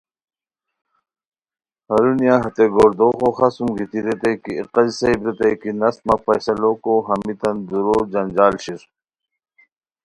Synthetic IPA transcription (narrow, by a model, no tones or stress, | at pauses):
hɐɾunijaɦɐt̪eɡoːɾd̪oːxoːxasumɡit̪iɾet̪ɐjkiːqɐzsɐibɾet̪ɐjkinɐst̪mɐpɐjsɐlokoɦɐmit̪ɐnd̪uɾoːɾd͡ʑɐnd͡ʑaːlɕiɾ